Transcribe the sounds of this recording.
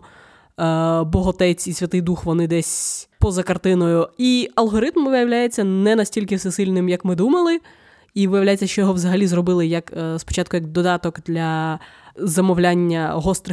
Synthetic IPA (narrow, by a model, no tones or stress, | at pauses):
bɔɦɔt̪ɛt͡sʲisʲʋʲɐt̪ɪjd̪uxʋɔnɪd̪ɛsʲpɔzɐkɐrt̪ɪnɔjʊiɐlˠɦɔɾɪt̪mʋɪjɐʋwlʲajet͡sʲːɐnɛnɐsʲtʲilʲkɪfsɛsɪlʲnɪmjɐkmɪd̪umɐlˠɪ | iʋɪjɐʋlʲajet͡sʲːɐʃt͡ʃɔjɔɦɔʋzɐɦɐlʲizrɔbɪlˠɪjɐkspɔ̥t͡ʃɑt̪kʊjɐkd̪ɔd̪ɑt̪ɔkd̪lʲɐ | zɐmɔʋlʲanʲːɐɦɔst̪ɾɪ